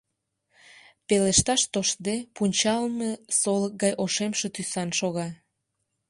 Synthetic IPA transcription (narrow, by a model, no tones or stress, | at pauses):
peleʃt̪ɑʃt̪oʃd̪epunʲt͡ɕɑlmesolək̚ɡɑjʔoʃemʃe̽t̪ysɑnʃoɣɑ